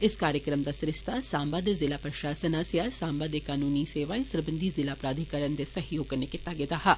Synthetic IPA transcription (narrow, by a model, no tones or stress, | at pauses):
ɪskaːɾjəkɾəmd̪aːsɾɪʃt̪ʰasaːmbad̪ezɪlaːpɾəʃaːsənasjasãːmbad̪ekaːnuːniseːʋaːẽsəɾbə̃nd̪ʱizɪlaːpɾaːd̪ʱikəɾənd̪esəɦjoːɡ̚kːəɾnekɪt̪ːaɡɪt̪aɦaː